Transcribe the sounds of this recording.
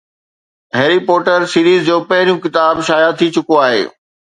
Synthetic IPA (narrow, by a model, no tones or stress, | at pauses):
ɦeːɾipɔːʈəɾsiːɾiːzd͡ʑoːpɐɦɪɾijũkɪt̪aːbʃaːjat̪ʰit͡ɕʊkoaːɦḛː